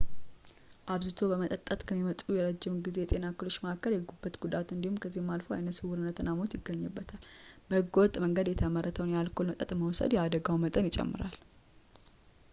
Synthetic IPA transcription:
ʔaβzɨt̪ʰobəmət̪ʼət̪ʼːət̪kʰəmːimət̪ʼujɛɾəd͡ʒːɪmɡize̞jɛt̪ʼe̞nakəlo̞t͡ʃːməakːəɾjɛɡubːət̪ɡ̥ud̪at̪ɨnd̪ihumkʰəzːihmːalfəwa̰jnət̪sɨwʊɾɨnːət̪ʰɨnːamot̪jɪɡːəɲːəbːət̪ʰalbəhɨɡːəwɔt̪ʼməŋɡəd̪jɛt̪ʰəməɾːət̪ʰəwnjalkʰo̞lmət̪ʼət̪ʼməwsə̰d̪jɛad̪əɡawmət̪ʼənjɪt͡ʃʼɛ̰mːɨ̰ɾa̰l

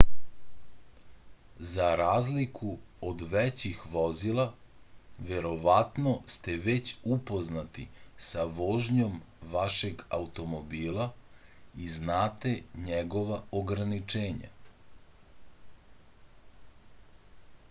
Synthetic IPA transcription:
zaɾaːzlikʰuod̪ʋɛt͡ɕixʋozilˠa | ʋeɾo̞ʋat̪nost̪eʋet͡ɕupo̞znat̪ḭsaʋoʒɲo̞m | ʋaʃe̞ɡaut̪o̞mobiːlˠa | iznaːt̪e̞ɲɛɡo̞ʋaoɡɾanit͡ʂeːɲa̰

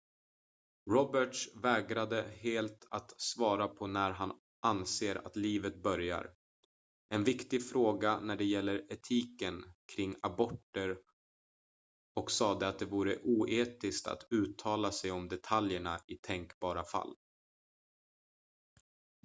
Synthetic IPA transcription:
ɾɔbəʈʂvɛːɡɾad̪əheːlt̪ʰat̪svɑːɾapʰɔnæɾɦan | ʔanseːɾa̰t̪liːvət̪̚bœɾja̰ɾ | ʔɛnvɪkt̪ɪɡfɾoːɡanæɖɛjɛlːəɾɛt̪ʰiːkənkʰɾɪŋːabɔʈːəɾ | ɔksɑːd̪əat̪̚d̪ɛvuːɾəʔuːʔeːt̪ɪskt̪a̰t̪ʰʉ̟ːt̪ʰɑːlasɛjɔmd̪ɛt̪ʰaljəɳaɪt̪ʰɛŋkbɑːɾafa̰lː

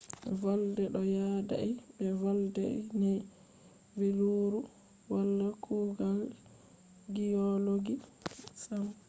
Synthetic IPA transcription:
valdɛɗɔjaːda̰ibɛvaldɛḭnɛ | veluɾu | walːakʰuːɡal | ɡiɔloɡisam

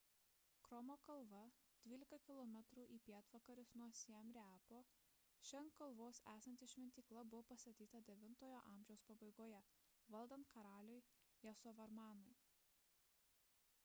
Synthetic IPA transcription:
kɾɔmoːkɐlˠʋɐ | d̪̥ʲʋʲiːlʲɪkɐkʲɪlˠɔmʲɛt̪ɾuːʔiːpʲiɛt̪ʋɐkɐɾʲʊsnuɔsʲiɛmʲɾʲæːpoː | ʃʲɛŋkkːɐlˠʋoːsæːsɐnʲt̪ʲɪʃʲʋʲɛnʲt̪ʲiːklˠɐbʊʋoːpɐst̪ɐt̪ʲiːt̪ɐd̪ʲɛʋʲɪnt̪oːjoʔɑːˑmʲʒʲɛʊspɐbɐɪɡoːjɛʋɐlˠd̪ɐnt̪̚kɐɾɑːlʲʊjjɛsɔʋɐɾmɑːnʊj

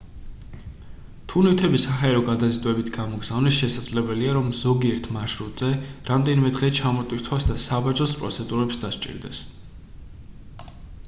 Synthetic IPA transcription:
t̪ʰunit̪ʰɛbisaɦaɛɾɔɡad̪azit̪ʼwɛbit̪ʰɡamɔɡz̥avnisʃɛsad̪z̥lɛbɛliaɾɔmz̥ɔɡiɛɾt̪ʰmaʃɾut̪ʼz̥ɛɾamd̪ɛnimɛd̪ʁɛt͡ʃʰamɔt̪ʼwiɾt̪ʰwasd̪asabad͡ʒɔspʼɾɔt̪sʰɛd̪uɾɛpsd̪aʃt͡ʃʼḭɾd̪ɛ̰s

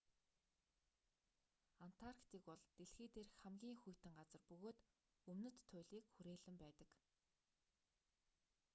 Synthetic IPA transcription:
an̥t̪ʰarkt̪iːkpɔɮt̪eɮxeːt̪eːrxæmɡʲiːŋxujʰt̪ɘ̆ŋɢat͡sə̆rpɵɣoːt̪ | ɵmnɵ̆t̪ʰːʊjɮiːkxuɾeːɮɘ̆mpæːt̪ə̆k

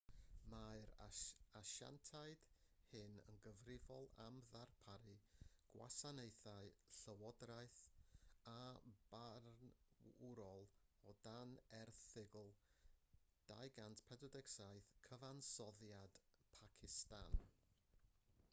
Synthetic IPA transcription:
maɨɾaʃa̰ntʰaɨd̥hɨnə̰nɡəvrɪvɔlˠa̰mðarpʰaɾɨɡ̥wa̰sanejθaɨɬəwɔdraɨθab̥arnʊɾɔlˠɔdanɛrθɪɡl̩ˠ | d̥ajɡantʰpʰɛdɔdɪksajθkʰəvansɔðjad̥pʰakʰɪstan

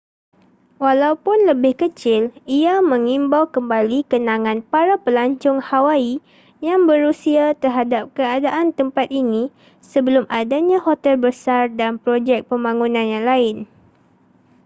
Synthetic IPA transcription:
walawpʊnləbɪhkət͡ʃɪliamə̃ŋimbawkəmbalikənãŋãnpaɾapəlaɲt͡ʃʊŋhawai | jaŋbəɾusiat̪ərɦadap̚kəadaʔant̪əmpat̪̚ini | səbəlʊmʔadaɲãhot̪ɛlbəsardanpɾod͡ʒɛk̚pəmbaŋunãnjaŋlaɪn

